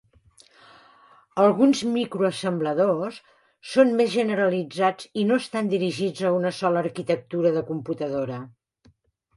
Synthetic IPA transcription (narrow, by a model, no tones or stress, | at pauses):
əlˠɣunzmikɾuəsəmbləðosː | onmezʒənəɾəlid͡zad͡zinoəst̪and̪iɾiʒid͡zəunəsɔləːɾkit̪ək̚t̪uɾəðəkumput̪əðoɾə